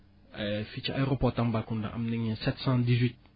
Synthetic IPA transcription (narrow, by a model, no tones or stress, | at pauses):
ɛfit͡ʃa̰eɾopɔtãmbakũndã̰ʔa̰mnɛ̃ɲɛ̃sɛtsãdizwit̚